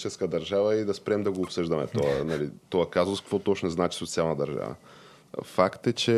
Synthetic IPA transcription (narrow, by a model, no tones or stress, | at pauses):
t͡ʃɛskəd̪ɐɾʒavəid̪ɐspɾɛmd̪ɐɡoːpsɤʒd̪ɐmɛ̰t̪oanalit̪ɔakazoskkvot̪ɔt͡ʃnɛznat͡ʃi̥sot̪sialˠnad̪ɐɾʒa̰və̰ | fakt̪ɛt͡ʃɛ